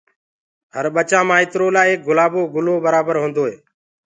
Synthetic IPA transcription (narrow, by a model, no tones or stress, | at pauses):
həɾɓət͡ʃãːmãːɪt̪ɾoːlaːeːk̚ɡʊlaːboːɡʊloːbəɾaːbəɾɦõːnd̪oːɦeː